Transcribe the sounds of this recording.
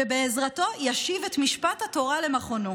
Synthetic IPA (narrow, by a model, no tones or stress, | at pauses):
ebeːzʁato̞jaʃivetmiʃpathato̞ʁale̞maχono